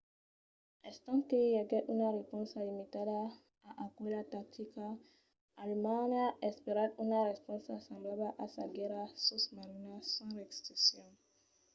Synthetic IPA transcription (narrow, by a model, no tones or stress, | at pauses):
ɛst̪ãkejaɡɛunaɾepɔ̃nsalimitada | aʔakuelatak̚t̪ʰikaː | lmãnaʔɛspeɾad̪unaɾɛspɔ̃nsasãmblablaʔasaɡɛɾasosmaɾinasãɾɛkstisjɔ̃